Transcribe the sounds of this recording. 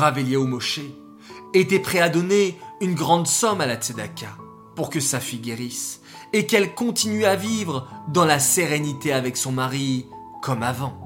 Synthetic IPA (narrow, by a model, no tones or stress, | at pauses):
ʁaveljeomɔʃe | et̪ɛpχɛad̪ɔneynɡʁɑ̃d̪sɔmalat̪sed̪akʲa | puʁkəsafijɡʲeʁis | ekɛlkɔ̃t̪inɥɛavivʁd̪ɑ̃laseʁenit̪eavɛksɔ̃maʁi | kɔmavɑ̃